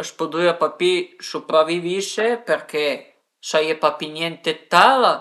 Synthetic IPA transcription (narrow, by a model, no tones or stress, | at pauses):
əspud̪iapapisupɾavivisepeɾke | sajepapinjent̪et̪ala